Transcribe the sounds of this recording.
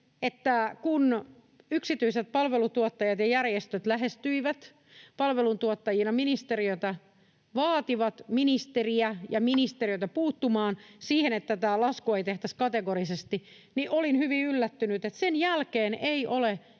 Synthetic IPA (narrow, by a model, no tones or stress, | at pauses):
et̪ːækun | yksit̪yiset̪̚pɑlʋelut̪uot̪ːɑjɑt̪jɑjærjest̪øt̪læɦest̪yiʋæt̪ | pɑlʋelunt̪uot̪ːɑjinɑminist̪eriøt̪ɑ | ʋɑːt̪iʋɑt̪minist̪eriæjɑminist̪erijøt̪ɑpuːt̪ːumɑːnsiːhenet̪ːæt̪ælɑskoːeit̪eht̪æskɑt̪eɡorisest̪i | niʔolinhyʋiylːæt̪ːynyt̪et̪senjælkeːneiʔole